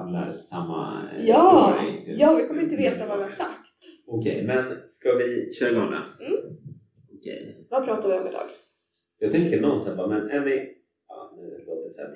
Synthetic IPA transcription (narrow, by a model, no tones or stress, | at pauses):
mla̰ɾsamːa̰jɑːmaɛŋt̪jɑːjɡkʰɔməɾɪnt̪əveːt̪avadɛasakt̪ɔkʰɛ̰jmɛnskavɪɕœːɾaɡɔŋːa̰m̩ | ɔkʰɛ̰jvapʰɾɑːt̪avɪɔmɪd̪ɑ̰ːɡ̥ | jɑːɡt̪ʰɛŋkənɔnsɛnbamɛnɛmɪ | ɑ̰nʉ̟ːɾoːɾəsɛ̰t̪